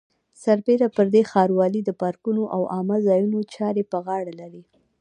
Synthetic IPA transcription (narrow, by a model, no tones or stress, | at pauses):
saɾbeɾapəɾd̪exɑɾwɑlid̪əpɑɾkunoʔawʔɑməzɑjunot͡ʃɑɾepəɣɑɽalaɾi